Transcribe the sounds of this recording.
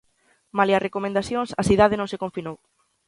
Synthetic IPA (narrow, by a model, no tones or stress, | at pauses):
malearekomẽnd̪aθjoŋsasiðaðenõŋsekõɱfinow